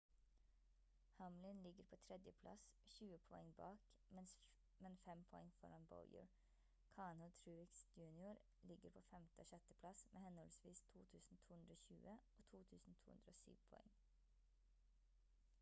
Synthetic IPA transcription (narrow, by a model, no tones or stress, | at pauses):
hɑmlɪnlɪɡəɾpʰoːt̪ʰɾɛd̪jəpʰlɑ̰sʃʉːəpʰɔɛŋbɑ̰ːk | mɛns | mɛnfɛmpʰɔɛŋfɔ̰ɾɑnbɔ̰ljə̰ɹ | kʰɑːnʊt̪ʰɾʉːʋɪksjʉːnɪʊɾ | lɪɡəɾpʰoːfɛmt̪əoːʃœt̪əpʰlɑsmʔeːhɛnhɔlsʋiːst̪ʰuːt̪ʰʉːsn̩t̪ʰuːhʉnd̪ɾəoːʃçʉ̰ːʔəoːt̪ʰuːt̪ʰʉːsn̩t̪ʰuːhʉ̰nd̪ɾəo̰ːsy̰ːʋpʰɔ̰ɛ̰ŋ